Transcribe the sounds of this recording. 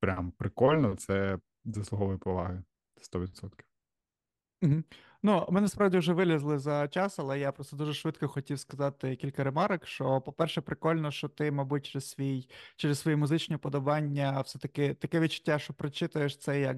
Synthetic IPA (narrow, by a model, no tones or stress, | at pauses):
pɾʲampɾɪkɔlʲnɔt̪sɛ | zɐsˠʊɦɔʋɔjipɔʋɑ̰ɦɪ | ɛ̥st̪ɔʋʲid̪sɔt̪kʲi̥w | m̩ɦm̩ | numɪnɛɐspɾɑwdʲiwʒɛʋɪlʲɐzlˠɪzɐt͡ʃɑsɐlˠɛjapɾɔst̪ɔd̪uʒɛʃʋɪd̪kɔxɔtʲiwskɐzɑt̪ɪkʲilʲkɐɾemɑɾɐkʃt͡ʃɔpɔpɛrʃɛpɾɪkɔlʲnɔʃt͡ʃɔt̪ɪmɐbut̚ʲt͡ʃɾɛz̥sʋʲijt͡ʃɛɾeɛssʋɔjimʊzɪt͡ʃnʲɔipɔd̪ɔbɑnʲːɐwsɛt̪ɐkɪt̪ɐkɛʋʲid̪t͡ʃʊ̥tʲːaʃt͡ʃɔpɾɔt͡ʃɪt̪ɐjeʃt̪sɛjɐk